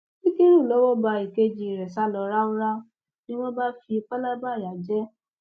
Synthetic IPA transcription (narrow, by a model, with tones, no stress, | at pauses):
i˦ke˦ɾũ˦˨lɔ˨˦wɔ˦ba˧i˨ke˦d͡ʒi˧˨ɾɛ˨sa˨˦lɔ˧ɾa˦u˦ɾa˦ | nĩ˦wɔ̃˦ba˦fi˧k͡pa˦la˦ba˦˨ɾa˨d͡ʒɛ˦